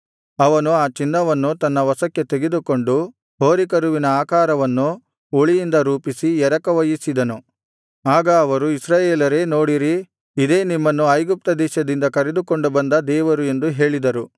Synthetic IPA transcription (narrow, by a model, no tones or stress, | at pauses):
ɐʋɐnuaːt͡ʃinːɐʋɐnːut̪ɐnːɐʋɐsɐkːe̞t̪eɡed̪uko̞ɳɖu | ɦo̞ːɾikɐɾuʋinɐaːkaːɾɐʋɐnːu | uɭijind̪ɐɾuːpisiɛɾɐkɐʋɐjisid̪ɐnu | aːɡɐːʋɐɾuisɾaːjeːlɐɾe̞ːno̞ːɽiɾi | id̪e̞ːnimːɐnːuɐjɡup̚t̪ɐd̪ɛːʃɐd̪ind̪ɐkɐɾed̪uko̞ɳɖubɐnd̪ɐd̪ɛːʋɐɾue̞nd̪uɦe̞ːɭid̪ɐɾu